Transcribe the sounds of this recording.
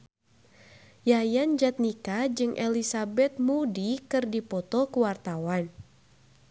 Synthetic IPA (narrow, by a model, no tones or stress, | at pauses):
jajand͡ʒat̪̚nikad͡ʒɨŋʔɛlisabɛt̪̚mudikɨrdipɔt̪ɔkəwart̪awan